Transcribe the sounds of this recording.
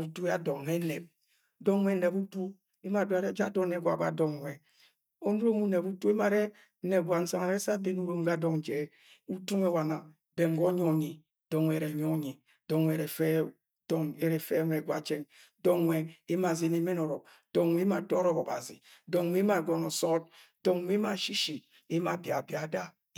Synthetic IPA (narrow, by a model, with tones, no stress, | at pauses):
u˨tu˦a˦dɔ˨ŋnɛ˦nɛ˨b̚ | dɔ˦ŋwɛ˦nɛ˨bu˦tu˦ | e˦ma˨du˦a˨ɾɛ˦d͡ʒa˦dɔ˦nɛ˨ɡwa̰˨ɡa̰˨dɔ˨ŋ˨wɛ˨ | ɔ˦nu˦ɾo˦mu˦nɛ˨bu˦tu˦e˦ma˨ɾɛ˦ | nɛ˨ɡʷwa˨n̩˦sa˨ŋa˨ɾɛ˦sa˦de˦nu˦ɾo˦m˦ɡa˦dɔ˨ŋ˨d͡ʒɛ˨˦ | u˦tu˦ŋɛ˦˨wa˨na˨ | bɛ˨ŋ˨ɡɔ˦ɲɔ˦˨ɲi˨ | dɔ˨ŋwɛ˨ɾɛ˨ɲɔ˦ɲi˨ | dɔ˨ŋwɛ˨ɾɛ˨fɛ˦ | dɔ˨ŋɛ˨ɾɛ˨fɛ˦nɛ˨ɡwa˨t͡ʃɛ˦ŋ | dɔ˦ŋwʷɛ˨e˦ma˨ze˨˦ne˨˦mɛ˦nɔ˨ɾɔ˨ | d̥ɔ˨ŋ˨we˦ma˨dɔ˦ɾɔ˨kɔ˨ba̰˨zḭ˨dɔ˨ŋ˨we˦ma˨ɡɔ˨nɔ˨sɔ˦t̚ | dɔ˨ŋwe˦ma˨ʃi˦ʃi˨ | e˦ma˨bja˨bja˨˦da˦